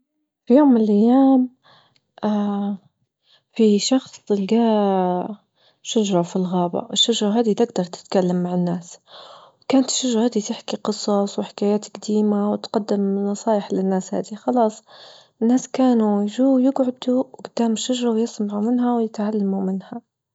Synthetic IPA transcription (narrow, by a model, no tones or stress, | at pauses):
fijoːmːɪnlʔajːaːm | ʔa | fiʃɑxsˤɪlɡaː | ʃaʒɾˤɑfilɣaːba̰ʔɪʃːaʒɾˤɑɦaːd̪it̪ɪɡd̪ɑɾˤt̪ɪ̥t̪kalːamːaʕɪnːaːswkaːnt̪ɪ̥ʃːaʒɾˤɑhaːd̪it̪ɪħkiqɨsˤɑsˤwɪħɪ̥kaːjaːt̪ɡd̪iːmawɪt̪qɑd̪ːɪmnɑsˤɑːjɪħlɪnːaːsha̰ːd̪ixɑlɑːsˤ | ɪnːaːskaːnujʒuːjɪɡʕʊd̪uwɡʊd̪ːaːmʃːaʒɾˤɑwjɪsˤmaʕumɪnɦawjɪt̪ʕalːamumɪnha